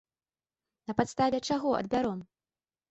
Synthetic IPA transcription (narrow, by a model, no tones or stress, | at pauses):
nɐpat̪st̪avʲɛt͡ʂaɣɔɐ̰d̪̚bʲaɾɔm